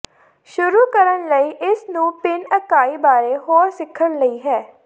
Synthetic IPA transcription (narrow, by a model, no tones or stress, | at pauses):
ʃʊɾuːkəɾənləiːʔɪsnũːpɪnəkaːiːbaːɾeːɦoːɾsɪkʰːənləiːɦɛː